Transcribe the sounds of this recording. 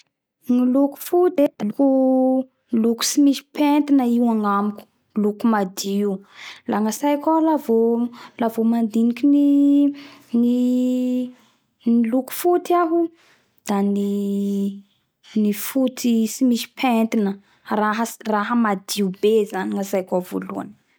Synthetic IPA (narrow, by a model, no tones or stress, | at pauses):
ŋiluku̥fut̪ed̪̥aluku | luku̥simisi̥pent̪inəiwaŋamiku̥ | lukumad̪iulaŋasajkʲalavolavomand̪inikʲini | ni | niluku̥fut̪aɦu | d̪̥ani | nifut̪isimisi̥pʰent̪inə | raɦəraɦəmad̪iubezaniŋasajkʲavo̰lua̰n